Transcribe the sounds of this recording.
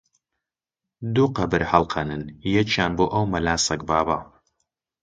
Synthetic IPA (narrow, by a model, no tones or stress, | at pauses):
d̪uqɐbɨɾhɐlqʰɐnɨnjɛt͡ʃʰaːnbuʔɐwmɐlaːsɐkbaːba